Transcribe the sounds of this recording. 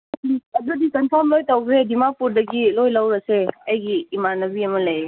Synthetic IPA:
iɐdudikənpʰaɾmlojtawbɾedimapuɾdɐɡilojlawɾaseɐjɡiːmanɐbiaməlaje

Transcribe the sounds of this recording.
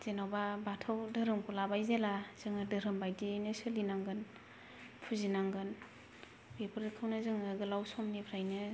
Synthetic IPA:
z̥enawbabatʰɯwdɯɾɯmkulabajzelaz̥ɯŋɯdɯɾɯmbajdinɯsɯlinaŋɡɯn | pʰuzinaŋɡɯn | bepʰɯɾɯkʰɯwnɯzɯŋɯɡɯlawsɔmnibʰɾajnɯ

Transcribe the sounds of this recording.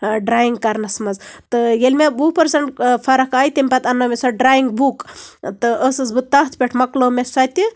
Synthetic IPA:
ɖɾaːjiŋɡkɐɾnɐsmɐzt̪ɨjelʲmʲebupɐɾsɐɳʈfʰɐɾɐkaːjt̪ʲemʲpɐt̪ɐnːomʲesɐɖɾaːjiŋɡ̚bukt̪ɨʔəsɨzbɨt̪ɐɦt̪ʰpʲeʈʰmɐklomesɐt̪ʲɨ

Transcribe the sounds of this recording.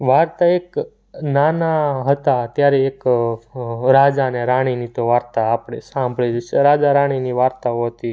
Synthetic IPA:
ʋaɾt̪aek | nanaɦət̪at̪jaɾeːk | ɾad͡ʒaneɾaɽ̃init̪oʋaɾt̪aːpɽ̃esãmbʱɭid͡ʒet͡ʃʰeɾad͡ʒaɾaɽ̃iniʋaɾt̪aoɦət̪i

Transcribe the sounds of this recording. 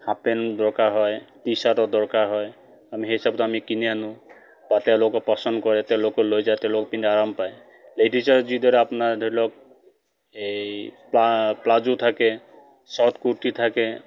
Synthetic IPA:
hapend̪ɔɹkaɾɦɔjt̪isatɔd̪ɔɹkaɾɦɔj | amiɦeɦisɔb̚t̪ɔamikinijanũ | bat̪ɛlokɔpɔsɔnd̪kɔɾɛt̪ɛwlokɔlojd͡ʒajt̪ɛlokɔpinaɾɔmpaj | leʈisɔɾd͡ʒid̪ɔɾɛapnad̪ʱɔɾilɔk̚ | epaplad͡ʒut̪ʰake | sɔt̪kuʈit̪ʰake

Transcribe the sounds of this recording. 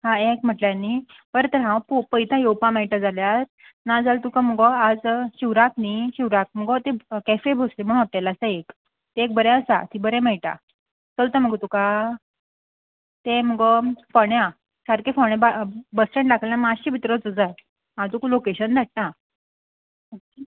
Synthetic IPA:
ɦãekm̤əʈljãnːi | pəɾt̪əɾɦãpopəjt̪ʰãjowpãmajʈad͡zaljaɾ | nad͡zalt̪ukãməɡɔad͡zɕiwɾakniɕiwɾak̚m̤əɡɔt̪ekɛfebʱoslem̤əɽ̃at̪alasaek | t̪eek̚bəɾeəsa̰t̪ʰibəɾẽmɛiʈ̪a̰ | t͡səlt̪ãm̤əɡt̪uka | t̪ẽm̤əɡɔfəɳja | saɾkefəɳ̃jababəsʈẽɳʈɖakʰljãmaɕibʱit̪ɾɔt͡sud͡za | ɦãt̪ukulokeɕənd͡z̪ʱaʈ̚nã

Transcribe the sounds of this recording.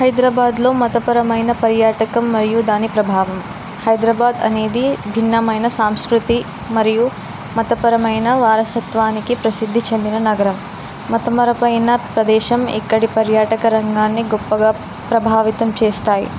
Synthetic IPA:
hɐjd̪ɾaːbaːd̪lo̞ːmɐt̪ɐpɐɾɐmɐjnɐpɐɾjaːʈɐkɐmːɐɾijud̪aːnipɾɐbʱaːʋɐm | hɐjd̪ɾaːbaːd̪ɐ̰ne̞ːd̪ibʱinːɐmɐjnɐsaːmskɾut̪i | mɐɾiju | mɐt̪ɐpɐɾɐmɐjnɐʋaːɾɐsɐt̪ʋaːnikipɾɐsid̪ʱːit͡ʃe̞nd̪inɐnɐɡɐɾɐm | mɐt̪ɐmɐɾɐpɐjnɐpɾɐd̪ɛːʃɐmḭkːɐɽipɐɾjaːʈɐkɐɾɐŋɡaːnːiɡɔpːɐɡaː | pɾɐbʱaːʋit̪ɐmt͡ʃeːst̪aːjḭ

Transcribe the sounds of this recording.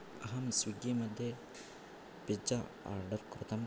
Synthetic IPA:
ɐɦɐmsʋiɡemɐd̪ʱje | pid͡ʒɐ | a̰ːɾɖɐɾkɾut̪ɐm

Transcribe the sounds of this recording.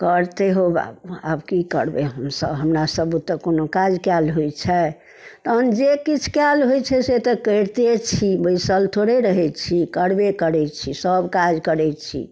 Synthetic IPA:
kəɾt̪eɦoba̰bua̰bkikə̰ɾbeɦəmsə̰bɦəmɾasəbut̪ːəkonokad͡ʒkalɦojt͡ʃʰɛ | t̪ːnd͡ʒekit͡ʃʰkjalɦojt͡ʃʰɛset̪ɔkəɾt̪et͡ʃʰibəisəlt̪ʰoɾeɾəɦɛt͡ʃʰikəɽbekəɾɛt͡ʃʰisəbkad͡ʒkəɾɛt͡ʃʰḭ

